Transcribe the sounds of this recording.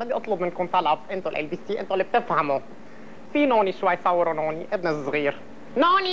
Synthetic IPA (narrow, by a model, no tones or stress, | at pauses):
mabjʔɑt̪ˤlʊbmɪnkʊnt̪ˤɑlɑbʔɪnt̪olʔḛlbiːsiːʔɪ̰nt̪olːib̚t̪ɪfhamo | finoːniʃwajːsˤɑwːɪɾonoːniʔɪbnazˤɣiːɾ | noːni